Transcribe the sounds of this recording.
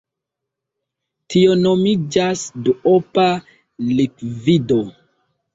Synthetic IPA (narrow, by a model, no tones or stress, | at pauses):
tionomid͡ʒasduopa | likvido